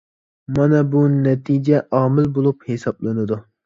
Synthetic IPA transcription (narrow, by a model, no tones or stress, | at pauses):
mɑnɛbunɛt̪ʰid͡ʒɛʔɑːmɪlbolˠuphesɑblˠɨnɨd̪u